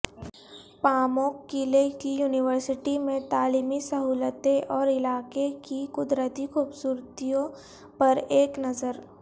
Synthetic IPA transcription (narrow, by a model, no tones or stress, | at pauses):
paːmoːkːilekijuːnɪʋəɾsɪʈimẽt̪aːliːmisɐɦuːlət̪eʔɔːɾɪlaːkekikʊd̪ɾət̪ikuːbsuːɾt̪ijõ | pɐɾeːknɐzəɾ